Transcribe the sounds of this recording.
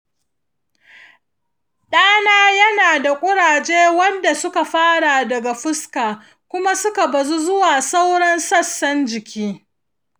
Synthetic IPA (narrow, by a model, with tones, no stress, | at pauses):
ɗaː˦naː˦jɐ˦naː˨da˨kʷʼʊ˦ɽaː˨d͡ʒeː˦wɐ˦nda˨sʊ˦ka˨ɸaː˦ɽa˨dɐ˨ɡa˨ɸɪ˦skaː˨ | kʷʊ˦ma˦sʊ˦ka˨bɐ˨zu˦zʊ˦waː˨sa˦wɽɐ˦nsɐ˦sːɐ˦nd͡ʒɪ˨kʲʰiː˦